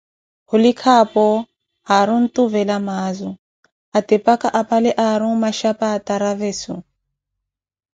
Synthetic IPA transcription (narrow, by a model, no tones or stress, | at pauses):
hʊlikʰapɔ | haɾun̩tuvɛlamaːzʊ | atɛpakaʔapalɛʔaɾumaʃapaːtaɾavɛsu